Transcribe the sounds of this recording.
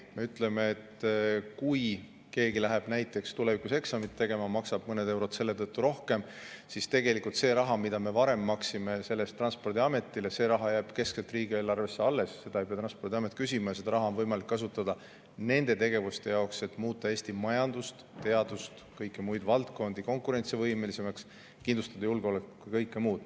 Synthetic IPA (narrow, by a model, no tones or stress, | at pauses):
me̞yt̪ːˑle̞meet̪ːkuj | ke̞ːɡilæɦeb̥næjt̪ːˑe̞kst̪ulevikuse̞ksɑmit̪ːe̞ɡe̞mɑmɑksɑb̥̚mɤned̪e̞wɾo̞d̪̥se̞lːe̞t̪ɤt̪ːuɾo̞hke̞m | sist̪e̞ɡe̞likːˑult̪se̞ːɾɑɦɑmid̪ɑme̞vɑɾe̞mːɑksime̞se̞lːest̪ːrɑnspo̞rd̪iɑme̞t̪ːˑile̞se̞ːɾɑɦɑjæːb̥ke̞skselt̪riːɡ̥ieːlɑrve̞sːe̞ɑlːe̞sːe̞d̪ɑepiɑt̪ɾɑnspo̞rd̪iɑme̞t̪̚ːˑkysʲimɑjɑse̥ɑɾɑɦɑo̞nvɤjmɑlikːɑs̬ut̪ːˑɑd̪̥ɑ | ne̞nd̪̥e̞t̪e̞ɡ̥e̞vust̪e̞jɑokset̪ˑmuːt̪ˑːɑe̞ːst̪imɑjɑnd̪ust̪t̪e̞ɑd̪ust̪kɤjkːˑemujd̪̥vɑlt̪ko̞nd̪̥iko̞ŋkˑuɾe̞nt̪sivɤjme̞lise̞mɑks | kind̪lust̪ɑd̪̥ɑjulɡeo̞lekːukujkɤjkːemuːd̪̥